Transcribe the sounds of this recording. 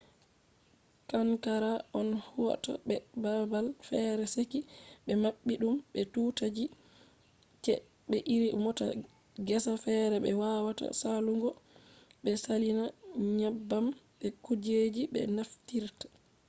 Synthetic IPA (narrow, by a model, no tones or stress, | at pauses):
kaŋkaɾaʔɔnhuwa̰ta̰ɓɛbabalfɛɾɛsekiɓɛmaɓːiɗumɓɛtutad͡ʒi | t͡ʃɛ̰ | ɓɛʔiɾimɔta̰ | ɡɛsafɛɾɛɓɛwawata̰saluŋɡɔɓɛsalinaɲabːamɓɛkud͡ʒed͡ʒiɓɛ̰naftiɾtḁ